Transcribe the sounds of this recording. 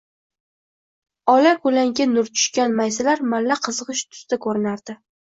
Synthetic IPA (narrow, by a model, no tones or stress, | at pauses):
ɒlakʊlaŋɡʲanʊɾt͡ʃʰʊ̥ʃkʲanmajsɪlaɾmalːaqʰɨzɨʁɨʃt̪ʰʊ̥st̪akʰɵɾɪnaɾd̪ɪ